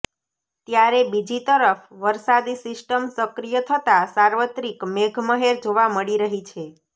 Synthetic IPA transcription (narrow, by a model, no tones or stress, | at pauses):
t̪jaɾebid͡ʒit̪əɾəfʋəɾsad̪isɪsʈəmsəkɾijət̪ʰət̪asaɾʋət̪ɾikmeɡʱməɦeɾd͡ʒoʋaməɭiɾəɦit͡ʃʰe